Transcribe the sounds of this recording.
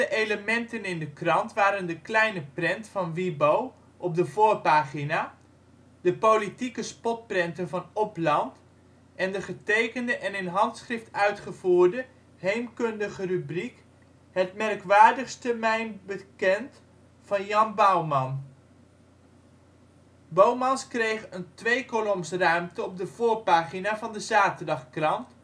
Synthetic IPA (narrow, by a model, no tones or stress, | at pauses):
dəʔejləmɛntənɪndəkrɑntʋaːɾəndəklɛjnəprɛntfɑnʋibow | ʔɔp̚dəvoːɹpaːχina | d̥əpowlitikəspɔt̚prɛntənvɑnɔplɑnt | ʔɛndəχətejkəndəʔɛnɪnɦɑntsχrɪftœɥtχəvuːɹdə | ɦejmkɵndəχərybrik | hətmɛrkʋaːɹdəχstəmɛjnbəkɛnt | fɑnjɑnbawmɑn | bowmɑnskrejχəəntʋejkolɔmsrœɥmtəɔb̚dəvʊːɹpaːχinaːvɑndəzaːtəɹdɑχkrɑnt